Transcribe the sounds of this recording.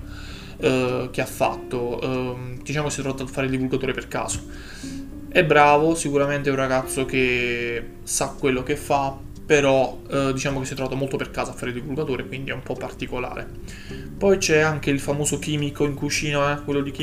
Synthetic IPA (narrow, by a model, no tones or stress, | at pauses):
k̟eafːa̰t̪ːo | d̪̥it͡ʃaːmokesjɛt̪ɾovat̪afːaːɾeild̪ivulɡat̪oːɾeperka̰ːz̥o̥ | ɛbːɾaːvosikuɾament̪eɛunraɡat̪sːok̟e | sakːwelːokefːa | pːeɾɔ | d̪it͡ʃaːmokesjɛt̪ɾovaːt̪omolt̪operkaːzoafːaːɾeild̪ivulɡat̪oːɾʔekwind̪iɛumpɔpːart̪ikola̰ːɾḛ | pɔjt͡ʃɛaŋk̟eilfamoːzok̟iːmikoiŋkut͡ʃiːnaɛkwelːod̪ik̟i